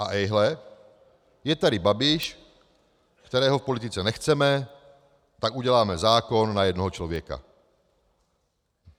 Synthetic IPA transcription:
ʔaʔɛjɦlɛ | jɛt̪aɾibabiʃ | kkt̪ɛɾɛːɦɔfpɔlit̪it͡sɛnɛxt͡sɛmɛ | t̪aɡuɟɛlaːmɛzaːkɔnːajɛd̪nɔɦɔt͡ʃlɔʋjɛka̰

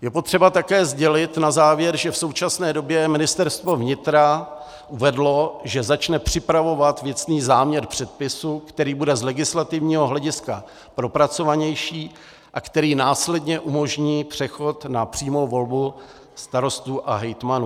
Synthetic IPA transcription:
jɛpot̪r̝̥ɛbat̪akɛːzɟɛlɪt̪nazaːvjɛɾʒɛfso̞wt͡ʃasnɛːdo̞bjɛmɪnɪst̪ɛɾst̪vo̞vɲɪt̪ɾa | ʔuvɛdlo̞ʒɛzat͡ʃnɛpr̝̥ɪpɾavo̞vat̪vjɛt͡sniːzaːmɲɛɾpr̝̥ɛt̪̚pɪsukt̪ɛɾiːbudɛzlɛɡɪslat̪ɪvɲiːɦo̞ɦlɛɟɪska | pɾo̞pɾat͡so̞vaɲɛjʃiː | ʔakt̪ɛɾiːnaːslɛdɲɛʔumo̞ʒɲiːpr̝̥ɛxo̞t̪napr̥iːmowvo̞lbu | st̪aɾo̞st̪uːʔa̰ɦɛjt̪manuː

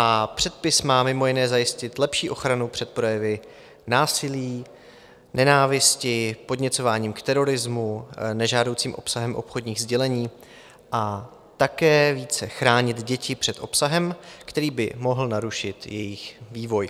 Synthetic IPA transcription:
ʔapr̥ɛt̪̚pɪsmaːmɪmo̞jɪnɛːzajɪscɪt̪lɛpʃiːʔo̞xɾanupr̥ɛt̪̚pɾo̞jɛvɪ | naːsɪliː | nɛnaːvɪscɪpo̞dɲɛt͡so̞vaːɲiːmkt̪ɛɾo̞ɾɪzmunɛʒaːdo̞wt͡siːmʔo̞̰psaɦɛmʔo̞pxo̞d̪ɲiːɣzɟɛlɛɲiː | ʔa | t̪akɛːviːt͡sɛxɾaːɲɪt̪ɟɛcɪpr̝̥ɛt̪ʔo̞psaɦɛmkt̪ɛɾiːbɪmo̞ɦl̩naɾuʃɪt̪jɛjɪxviːvo̞j

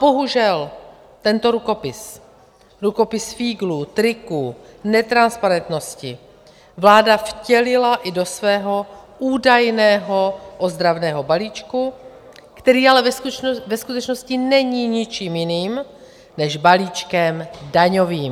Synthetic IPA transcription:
bo̞ɦuʒɛl | t̪ɛnt̪o̞ɾuko̞pɪs | ɾuko̞pɪsfiːɡluːt̪ɾɪkuːnɛt̪ɾanspaɾɛnt̪no̞scɪ | vlaːdafcɛlɪlaʔɪdo̞svɛːɦo̞ʔuːdajnɛːɦoʔozd̪ɾavnɛːɦo̞baliːt͡ʃku | kt̪ɛɾiːalɛvɛskut̪ɛt͡ʃno̞scɪnɛɲiːɲɪt͡ʃiːmjɪniːm | nɛʒbaliːt͡ʃkɛmdaɲo̞viːm

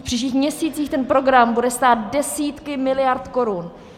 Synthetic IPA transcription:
fpr̥iːʃ̬ciːxmɲɛsiːt͡siːxt̪ɛnpɾo̞ɡɾambudɛst̪aːt̪dɛsiːt̪kɪmɪlɪjaɾt̪ko̞ɾun

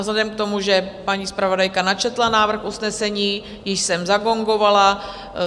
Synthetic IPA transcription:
zlɛdɛmkt̪o̞muʒɛpaɲiːspɾavo̞dajkanat͡ʃɛt̪lanaːvr̩xʔusnɛsɛɲiː | jɪʃsɛmzaɡo̞ŋɡo̞vala

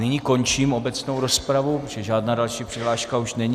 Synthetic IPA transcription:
nɪɲiko̞nt͡ʃiːmo̞bɛt͡sno̞wɾospɾavuʒ̥ɛʒaːdnaːdalʃiːpr̥ɛɦlaːʃkauʃnɛɲ

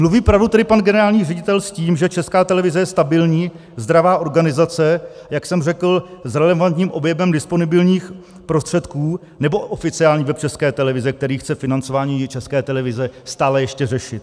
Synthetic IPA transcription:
mluviːpɾavdut̪ɛdɪpanɡɛnɛɾaːlɲiːrɛɟɪt̪ɛlsciːmʒɛt͡ʃɛskaːt̪ɛlɛvɪzɛjɛst̪abɪlɲiː | zd̪ɾavaːʔo̞ɾɡanɪzat͡sɛ | jaksɛmrɛkl̩zɾɛlɛvant̪ɲiːmʔo̞bjɛbɛmdɪspo̞nɪbɪlɲiːx | pɾost̪r̥ɛt̪kuː | nɛbo̞ʔofɪt͡sɪaːlɲiːvɛp̚t͡ʃɛskɛːt̪ɛlɛvɪzɛkt̪ɛɾiːxt͡sɛfɪnant͡so̞vaːɲiːt͡ʃɛskɛːt̪ɛlɛvɪzɛst̪aːlɛjɛʃcɛrɛʃɪt̪̚

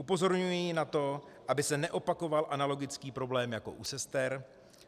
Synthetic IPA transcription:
upo̞zo̞ɾɲujinat̪o̞ʔabɪsɛnɛʔo̞pako̞valʔanalo̞ɡɪt͡skiːpɾo̞blɛːmjako̞̰ʔusɛst̪ɛɾ

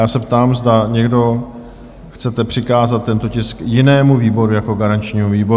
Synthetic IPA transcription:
jaːsɛpt̪aːmzdaɲɛɡdo̞ | xt͡sɛt̪ɛpr̝̥ɪkaːzat̪̚ːɛnt̪ocɪskjɪnɛːmuviːbo̞ɾujakoɡaɾant͡ʃɲiːmuviːbo

